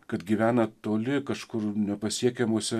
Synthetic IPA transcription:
kɐt̪ɡʲiːʋʲæːnɐt̪oːlʲɪkɐʃkʊɾnʲɛpɐsʲiɛkʲɛmoːsʲɛ

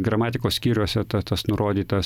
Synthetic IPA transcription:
ɡɾɐmɑːt̪ʲɪkoːssʲkʲiːɾʲoːsʲɛt̪ɐt̪ɐsnʊɾʔoːd̪ʲiːt̪ɐs

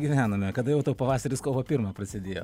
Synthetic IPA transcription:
ɡʲɪʋʲæːnoːmʲɛkɐd̪ɐjɛʊt̪ɐpɐʋɑːsɐɾʲɪskoːʋoːpʲɪɾmɑprɐsʲɪd̪ʲeːjo̰ː

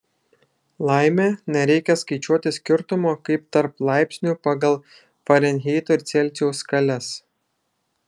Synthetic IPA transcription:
lˠɑˑɪmʲeːnʲɛɾʲɛɪkʲɛskɐɪt͡ʃʲuɔt̪ʲɪsʲkʲɪɾt̪ʊmoːkɐɪpt̪ɐɾplˠɑˑɪpʲsʲnʲuˑpɑɡɐlˠ | fɐɾʲɛnʲɦʲɛɪt̪oɪɾt̪sʲɛlʲˑt̪ʲɛʊskɐlʲɛs

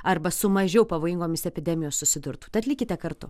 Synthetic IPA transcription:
ɐɾbɐsʊmɐʒʲɛʊpɐʋoːjɪŋɡoːmʲɪsɛpʲɪd̪ʲɛmʲɪjoːssʊsʲɪd̪ʊɾt̪uːt̪ɪɐt̪ʲlʲɪkʲɪt̪ʲɛkɐɾt̪ʊ

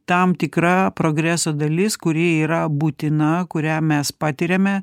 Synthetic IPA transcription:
t̪ɐmt̪ʲɪkɾɐpɾoːɡɾʲæsoːd̪ɐlʲɪskʊɾʲiɛiːɾɐbuːt̪ʲɪnɐkʊɾʲæːmʲɛspɑːt̪ʲɪɾʲemʲɛ

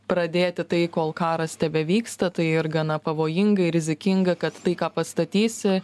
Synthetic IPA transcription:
pɾɐd̪ʲeːt̪ʲɪt̪ɐɪkoːlˠkɑːɾɐst̪ʲɛʋʲɛʋʲiːkst̪ɐt̪ɐɪɪɾɡɐnɐpɐʋoːjɪŋɡɐɪɾʲɪzʲɪkʲɪŋɡɐkɐt̪ːɐɪkɑːpɐst̪ɐt̪ʲiːsʲɪ

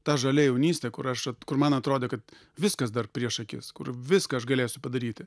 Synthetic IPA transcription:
t̪ɑːʒɐlʲɛjɛʊnʲiːsʲt̪ʲɛːkʊɾɐʃɐt̪kʊrmɐnɐt̪ɾoːd̪ʲeːkɐt̪ | ʋʲɪskɐsd̪ɐrpʲɾʲiɛʃɐkʲɪ̰skʊ̰rʋʲɪskɐːɐʃɡɐlʲeːsʲʊpɐd̪ɐɾʲiːt̪ʲɪ

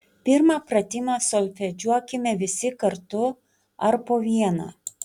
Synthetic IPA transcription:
pʲɪɾmɑpɾɐt̪ʲɪmɑːslʲfʲɛd͡ʒʲuɔkʲɪmʲɛʋʲɪsʲɪkɐɾt̪ʊ | ɐɾpoːʋʲiɛna̰ː

